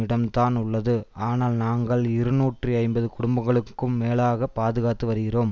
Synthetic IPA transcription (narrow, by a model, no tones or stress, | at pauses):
ɪɽɐmt̪aːnʊɭːɐðɯaːnaːlnaːŋɡɐɭɪɾɯnuːʈriɐɪmbɐðɯkʊɽʊmbɐŋɡɐɭɯkːɯmːeːlaːɣɐpːaːðɯɣaːt̪ːɯʋɐɾɯɣɪroːm